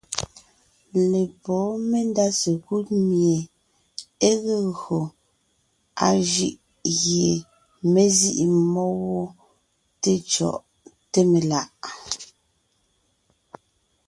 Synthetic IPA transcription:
le˨pɔ˨˦me˦nda˦se˨ku˦t̚mje˨ | e˦ɣe˦ɣɰo˨ | a˨ʒi˦ʔ | ɣje˨ | me˦zi˦ʔi˨mɔ˦wɔ˦ | te˦t͡ʃɔ̰˨ʔ | te˦me˨la˨ʔ

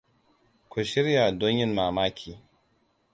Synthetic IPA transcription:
kʷʊ˨ʃɪ˦ɾja˨dɔ˦ɲjɪ˦nmaː˨maː˦kʲʰiː˨

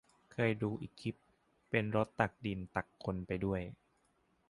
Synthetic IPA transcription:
kʰɤː˧jduː˧ʔiː˨˩kʰːi˦˥p | pːe˧nɾo˦˥t̪ːa˨˩k̚di˧nt̪a˨˩kʰːo˧npa˧jdu˥˩əj

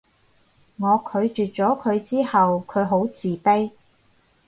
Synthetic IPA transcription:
ŋɔː˨˧kʰɵ˨˧ɥt͡ʃyː˨t̚t͡ʃɔː˨˥kʰɵ˨˧ɥt͡siː˥hɐ˨wkʰɵ˨˧ɥɦo˨˥wt͡siː˨˩pe˥j

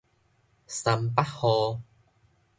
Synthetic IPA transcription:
sɐ˨˧˩mpɐ˥t̚hɔː˧

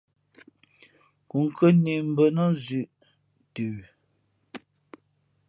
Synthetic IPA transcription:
ku˨ŋ˨kʰə˦ni˨m̩˨˦bə˨nɔ˦zʉ˦˨ʔ | tʉ˨

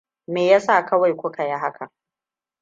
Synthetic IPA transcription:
meː˨ja˦saː˦˨kʰɐ˦wa˨jkʷʊ˦ka˨ja˦ɦa˦kʰa˨

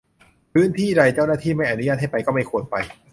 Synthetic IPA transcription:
pʰɯː˦˥nt̪ʰiː˥˩ɾa˧jt͡ɕa˥˩wnaː˥˩t̪ʰiː˥˩ma˥˩jʔa˧nu˦ja˥˩t̚ha˥˩pa˧jkɔː˥˩ma˥˩jkʰu˧ət̚pa˧j

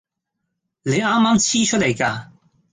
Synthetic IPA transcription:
le˨˧jaː˥mːaː˥mt͡sʰiː˥t͡ʃʰɵ˥t̚le˨˩jkaː˧

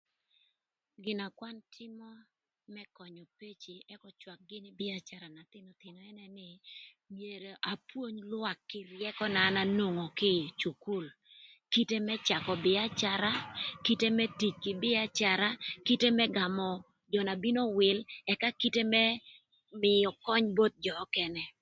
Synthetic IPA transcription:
ɡɪ˨na˨kwa˦ntʰɪ˦mɔ˦ | mɛ˦kɔ˨ɲɔ˨pe˦t͡ʃi˨ɛ˦kɔ˦t͡ʃwa˨k̚ɡɪ˦nɪ˦bɪ˦a˦t͡ʃa˨ɾa˨na˨t̪ɪ˦nɔ˨t̪ɪ˨nɔ˨ɛ˦nɛ˦nɪ˦ | mje˨ɾe˨ʔa˨pwo˦ɲlwa˨kːɪ˦rjɛ˦kɔ˦naː˨˦na˦no˨ŋo˨kɪ˦t͡ʃu˨ku˦˨l | ki˦te˦mɛ˦t͡ʃa˨kɔ˨bɪ˨a˦t͡ʃa˦ɾa˦ki˦te˦mɛ˦ti˨t͡ʃkɪ˨bɪ˦a˦t͡ʃa˨ɾa˦ki˦te˦mɛ˦ɡa˨mɔ˨ | d͡ʒɔ˨na˨bi˦no˦wɪ˨lɛ˨ka˦ki˦te˦mɛ˦ | mɪ˨ɔ˨kɔ˦ɲbo˦t̪̚d͡ʒɔ˨˦kɛ˦nɛ˨

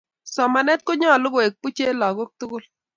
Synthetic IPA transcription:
sɔ˨ma˨nɛ˦t̚ko˦ɲɔ˦˨lʊ˦ɡo˨e˨k̚pu˦t͡ʃe˦la˨ɣʊ˦k̚tʊ˦ɡʊ˦l

